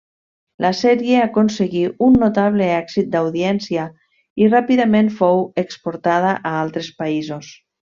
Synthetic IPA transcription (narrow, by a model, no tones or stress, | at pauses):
lʔasɛɾjeakonseɣiunːot̪aβ̞leɛksit̪̚d̪awðiɛnsia | irapiðəmẽnfowekspoɾt̪að̞aʔaalˠt̪ɾespaizos